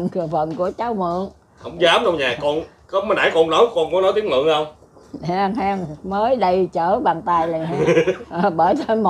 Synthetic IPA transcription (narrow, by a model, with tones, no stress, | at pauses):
ŋkɨ˨˩fə˧˨nku˧˩ət͡ɕaː˨˦wmɨ̰˧˨əŋ | hə̰˧˩wŋ͡mzaː˨˦mɗə˧wŋ͡mɲaː˨˩kɔ˧n | kɔ˨˦mː˨˦nɗa̰ː˧˨˦jkɔ˧nno˨˦jkɔ˧nkɔ˨˦nɔ˨˦jt̪i˨˦˥ŋlɨ̰˧˨əŋhə˧wŋ͡m | haː˧ŋhaː˧ŋməː˨˦jɗə˧jt͡ɕəː˧˩ɓaː˨˩nt̪aː˧jlə˨˩ha˨˧˩ʔəː˨˩ɓəː˧˩jt̪ʰe˧mo˨